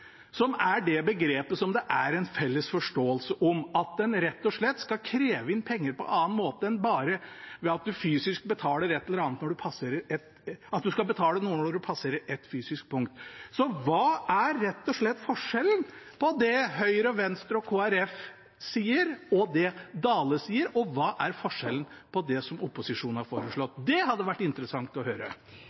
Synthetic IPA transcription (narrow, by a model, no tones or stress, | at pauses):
sɔmæɖɛbəɡɾeːpəsɔmd̪ɛʔæɾɛɪnfɛlːəsfɔʂʈoːəlsəʔɔmɑt̪̚d̪ɛnɾɛt̪ːɔʂɭɛt̪ːskɑkʰɾeːʋəɪnːpʰɛŋːəɾpɔ̰ʔɑːnmoːt̪əɛnbɑːɾəʋɛɑt̪̚d̪ʉfyːsɪsk̚bət̪ʰɑːləɾɛt̪ːɛləɾɑːnət̪nɔɖʉpʰɑsəɾɛt̪ | ɑt̪̚d̪ʉskɑbət̪ʰɑːlənuːənɔɔɖʉpʰɑsəɾəɛt̪ːfyːsɪsk̚pʰʊŋk̚t̪sɔʋɑːæɾːɛt̪ːɔʂɭɛt̪ːfɔʂɛln̩pʰɔd̪ɛɦœʏɾɔʋɛnst̪ɾɔkʰoːæɾɛf | siːəɾɔd̪ɛd̪ɑːləsiːəɾɔʋɑːʔæɾfɔʂɛlən̩pʰɔd̪ɛsɔmʊpːʊsɪʂuːnhɑɾfo̰ːɾəʂɭɔt̪ːd̪ɛhɑd̪ːəʋæʈːɪnt̪ɾəsɑŋt̪ɔhøːɾə̰